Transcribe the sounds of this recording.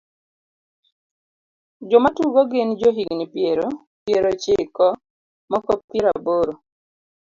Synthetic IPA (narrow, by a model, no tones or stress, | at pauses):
d͡ʒɔmatuɡoɡɪnd͡ʒoɦiŋnipjeɾo | pjeɾot͡ʃɪkɔ | makop̚kiɾaboɾo